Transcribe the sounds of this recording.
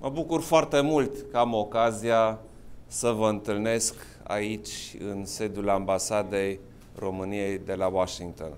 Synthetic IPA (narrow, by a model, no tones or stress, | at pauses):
məbukurfoart̪e̞mult̪kəamo̞kazija | səvəɨnt̪ɨlne̞sk | a̰it͡ʃʲɨ̰nse̞d̪ulambasad̪e̞j | ro̞mɨnije̞jd̪e̞lawaʃiŋɡ̚t̪o̞̰n